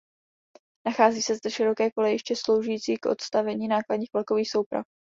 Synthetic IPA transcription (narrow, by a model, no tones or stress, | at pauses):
naxaːziːsɛzdɛʃɪɾo̞kɛːkolɛjɪʃcɛslo̞wʒujiːt͡siːkʔo̞̰t̪st̪avɛɲiːnaːkladɲiːxvlko̞viːxso̞wpɾa̰f